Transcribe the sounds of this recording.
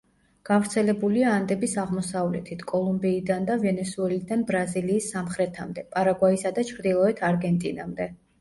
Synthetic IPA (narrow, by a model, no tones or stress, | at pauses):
ɡ̥avɾt̪sʰɛlɛbuliaːnd̪ɛbisaʁmɔsavlɛ̰t̪ʰit̪ʰkʼɔlˠumbiːd̪and̪avɛnɛsuɛlid̪anbɾaziliːsːamχɾɛt̪ʰamd̪ɛpʼaɾaɡwaisad̪at͡ʃʰɾd̪ilˠɔɛt̪ʰaɾɡɛnt̪ʼina̰md̪ɛ